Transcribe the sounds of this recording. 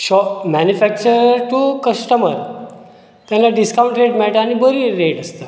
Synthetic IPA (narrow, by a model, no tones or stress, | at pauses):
ɕɔmænjufæk̚t͡ɕəɾtokəsʈəməɾ | t̪jãnlːaɖiskaw̃ɳʈɾeʈmɛɭʈaañibəɾiːɾeʈəst̪ə